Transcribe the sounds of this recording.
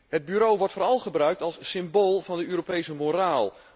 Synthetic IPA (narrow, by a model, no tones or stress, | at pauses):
ɦəd̚byɾowʋɔɹtfʊːɾɑlˠχəbrœɥk̚tɑlˠssɪmboːlˠvɑndəøːɾopejsəmoɾaːlˠ